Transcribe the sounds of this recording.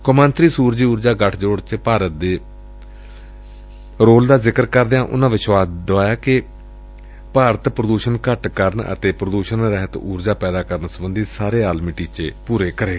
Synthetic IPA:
komãːnt̪ɾiːsuːɾd͡ʒiːuːɾd͡ʒaːɡəʈʰd͡ʒoːɽt͡ʃpaːɾət̪̚d̪eː | ɾoːld̪aːzɪkəɾkəɾd̪eãːʔʊ̰nãːʋɪʃwaːsd̪oaːjaːkɪ | paːɾət̪pɾəd̪uːʃənkəʈkəɾnə̰t̪eːpɾəd̪uːʃənɾɛɦət̪uːɾd͡ʒaːpɛːd̪aːkəɾnsəbənd̪iːsaːɾeːaːlmiʈiːt͡ʃeːpuːɾeːkəɾeː

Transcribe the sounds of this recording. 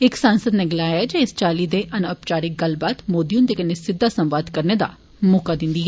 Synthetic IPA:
ɪksãːnsəd̪neːɡɪlaːjaɛd͡ʒeɪst͡ʃaːliːd̪eːʔɐnəpt͡ʃaːɾiɡəlbaːt̪moːd̪iʊnd̪eːkənesɪd̪ːaːsə̃mʋaːd̪kəɾneːd̪a̰ː | moːkaːd̪ɪ̃nd̪iːɦɛ

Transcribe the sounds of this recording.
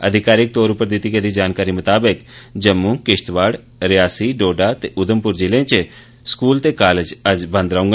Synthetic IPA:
ə̰d̪ʱɪkaːɾɪk̚t̪oːɾʊpəɾd̪ɪt̪iːkəd̪iːd͡ʒaːnkaːɾiːmət̪aːbəkd͡ʒəmːũːkɪʃt̪ʋaːɽ | ɾɪjaːsiːɖoːɖaːt̪eːʔʊd̪əmpʊɾd͡ʒɪlẽt͡ʃ | skuːlt̪eːkaːləd͡ʒəd͡ʒbə̃nd̪ɾəɦũŋɡa

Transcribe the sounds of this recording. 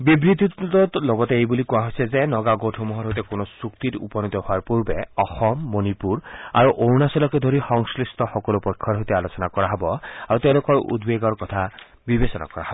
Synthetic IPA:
bibɾit̪iɔtloɡɔt̪eejbulikũaɦojsʰezenɔɡaɡoʈʰɔmɔɦɔɾɦɔjt̪ekonɔsukt̪iɾupɔnit̪ɔɦoaɾpuɾbeɔxɔmːonipuɾa̰ɾuʔownasɔlɔked̪ʱoɾixɔŋslist̪ɔxɔkɔlupɔjkʰːɔɾɦojt̪ealot͡ʃɔnakɔɾaɦɔbɔaɾut̪ew̃lokɔɾʔṵd̪beɡɔɾkɔt̪ʰa | bibesɔna̰kɔɾa̰ɦɔbɔ

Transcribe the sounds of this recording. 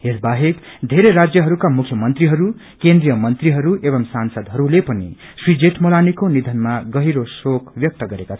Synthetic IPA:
esbaɦekd̪ʱeɾeɾad͡zjʌɦʌɾukamukʰjʌmʌnt̪riɦʌɾu | kend̪rijʌmʌnt̪riɦʌɾuʔebʌmsansʌd̪ɦʌɾulepʌnḭ | swid͡zeʈmolanikonid̪ʱʌnmaɡʌɦiɾosokʰbjʌk̚t̪ʌɡʌɾekat͡sʰ

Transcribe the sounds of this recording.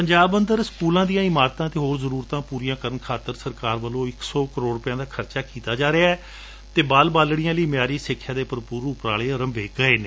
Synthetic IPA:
pəɲd͡ʒaːbə̃nd̪əɾskuːlãːd̪ijãːɪmaːɾt̪ãːt̪eːɦoːɾzəɾuːɾt̪ãːpuːɾijãːkəɾənkʰaːt̪əɾsəɾkaːɾʋəlõːɪksɔːkəɾoːɽɾʊpɪjãːd̪aːkʰəɾt͡ʃaːkiːt̪aːd͡ʒaːɾeaːɛː | t̪eːbaːlbaːlɽijãːləiːmjaːɾiːsɪkʰːjãːd̪eːpəɾpuːɾʊpɾaːleːəɾəmʋeːkəeːneː

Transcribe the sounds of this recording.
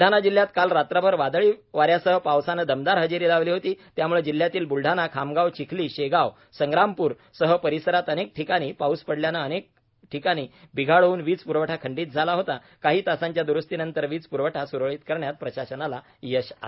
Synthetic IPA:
ɖʱanad͡ʑil̤ːjat̪kalɾat̪ɾəbʱəɾʋad̪ɭiːʋaɾjasəɦəpawsanəd̪əmd̪aɾɦəd͡ʑeɾiːlaʋliːɦot̪iːt̪jamuɭed͡ʑil̤ːjat̪iːlbulɖʱanakʰamɡawt͡ɕikʰliːɕeɡaw | səŋɡɾampuːɾ | səɦəpəɾisəɾat̪ənek̚ʈʰikaɽ̃iːpauspəɽljanəənek̚ | ʈʰikaɽ̃iːbiɡʱaɭuːnʋiːt͡spuɾʋəʈʰakʰəɳɖiːt̪̚d͡zʱalaɦot̪a | kaɦiːt̪asãɲt͡ɕjad̪uɾəst̪iːnənt̪əɾʋiːt͡spuɾʋəʈʰasuɾʋɭiːt̪kəɾɳjat̪̚pɾəɕaɕənala | jəɕa̰

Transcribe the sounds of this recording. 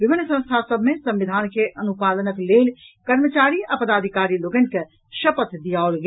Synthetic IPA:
ʋɪbʱinːsə̃st̪ʰasəbʱmesɐ̃mʋid̪ʱaːnkeʔənupalənəkleːlkəɾmət͡ʃaːɾiapəd̪aːd̪ʱikaːɾiloːɡənke | ʃəpət̪d̪ijaolɡe

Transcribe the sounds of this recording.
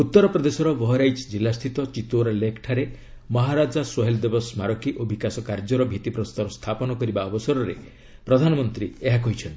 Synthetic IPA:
ut̪ːɔɾɔpɾɔd̪esɔɾɔbɔɦɔɾajd͡ʒd͡ʒilːast̪ʰit̪ɔt͡ʃit̪oɾalekʰʈʰaɾe | mɔɦaɾad͡ʒaswɔɦeld̪ebɔsmaɾɔkiʔobʱikasɔkaɾd͡ʒɔɾɔbʱit̪ipɾɔst̪aɾɔst̪ʰapɔnɔkɔɾibaɔbɔsɔɾɔɾe | pɾɔd̪ʱanɔmɔnt̪ɾieɦak̬ɔɦit͡ʃʰɔnt̪i

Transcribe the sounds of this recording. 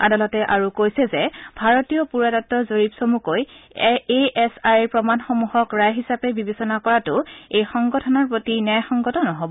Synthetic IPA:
a̰dalɔtɛʔaɹukojsɛzɛbʱaɹɔtijɔpuɹadɔtːɔzoɹipsomukojeʔɛsajɹpɹɔmanxomuhɔkɹajɦisapɛbibesɔnakɔɹatʊejxɔŋɡɔtʰɔnɔɹpotinɛjxɔŋɡɔtɔnɔɦobɔ

